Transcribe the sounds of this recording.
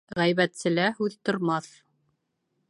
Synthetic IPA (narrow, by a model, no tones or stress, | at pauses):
ʁæjβæt̪sɘ̆læhʉðt̪ŏɾmɑθ